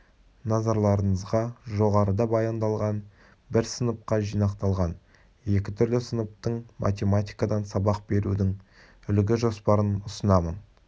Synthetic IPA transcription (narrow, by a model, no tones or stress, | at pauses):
nɑzɑɾlˠɑɾəɴəzʁɑʒo̞ʁɑɾəd̪ɑbɑjɑnd̪ɑlˠʁɑn | bɪɾsənəp̚qɑʒijnɑqt̪ɑlˠʁɑn | je̞kʲɪt̪ʰʏɾlɪsənəp̚t̪əɴmʔa̰t̪ʲe̞mat̪ʲijkɑd̪ɑnsɑbɑq̚be̞ɾud̪ɪŋ | ʏlɡʲɪʒo̞spɑɾənʊsənɑmən